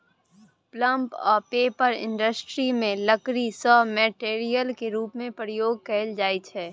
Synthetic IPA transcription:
plə̃mpɔ̰ːɾpeːpəɾɪ̰̃ɳɖəsʈɾimẽləkɾisɔːmɛːʈeːɾijəlkeɾuːpmẽpɾəjoːɡ̚kɛːld͡ʒaːit͡ʃʰɛː

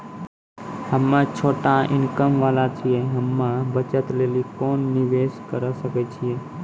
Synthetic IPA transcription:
həmːat͡ʃʰoʈaɪ̰nkəmʋalat͡ʃʰijeɦəmːãbət͡ʃət̪lelikoːnːiʋeskəɾəsəkɛt͡ʃʰije

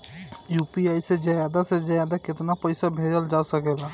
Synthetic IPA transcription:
juːpiaːised͡ʒəjaːd̪ased͡ʒɐjaːd̪akɪt̪napɛɪsabʱeːd͡ʒəld͡ʒaːsəkeːlaː

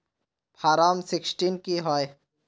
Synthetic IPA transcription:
pʰaːɾaːmsɪksʈinkiɦɔe

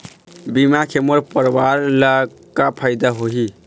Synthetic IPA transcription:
bimakʰeməɾpəɾbaɾlə | kapʰaɪd̪aɦoɦi

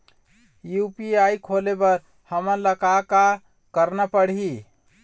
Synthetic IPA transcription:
jupiaikʰolebəɾ | həmənləkaka | kəɾnapəɽɦi

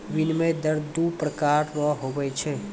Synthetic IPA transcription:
ʋinmed̪əɾd̪upɾəkaɾnɔɦoʋəjt͡ʃʰe

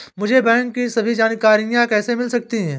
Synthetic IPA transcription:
mʊd͡ʒʱebɛ̃ːŋkːisɐbʱid͡ʒaːnkaːɾijãkɛːsemɪlsɐk̚t̪iɦɛ̃ː

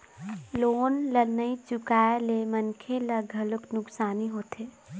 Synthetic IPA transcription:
loːnlənːəit͡ʃʊkaːelemənkʰeləɡʱəlʊknʊksaːniɦoːt̪eː

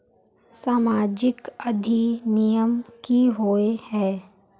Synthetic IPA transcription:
saːmaːd͡ʒɪkɐd̪ʱinijəmkiɦoːehɛ̃ː

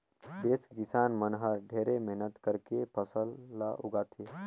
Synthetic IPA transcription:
b̪eːskɪsaːnmənɦəɾɖʱeːɾemɛɦnət̪kəɾkepʰəsəlːa̰ʔuɡat̪ʰe

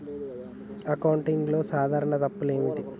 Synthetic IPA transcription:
ɐkɐwɳʈiŋɡlo̞ːsaːd̪ʱaːɾɐɳɐt̪ɐpːule̞ːmiʈi

